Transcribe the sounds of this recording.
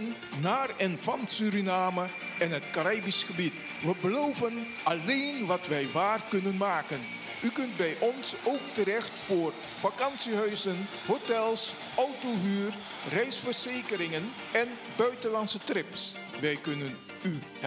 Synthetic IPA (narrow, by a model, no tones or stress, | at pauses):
n | naːrɛnvɑnsyɾinaːmə | ɪnɦətkaɾajbisχəbit | ʋəbəlowvən | ɑlejnʋɑtʋɛjʋaːrkɵnənmaːkən | ykɵnt̚bɛjʔɔnsowk̚təɾɛxtfʊːr | v̥akɑnsiɦœɥzən | ɦotɛlˠs | ʔɔwtoɦyːr | rɛjsfəɹzejkəɾɪŋən | ɛn | bœɥtəlɑnsətrɪpsʋɛjkɵnən | y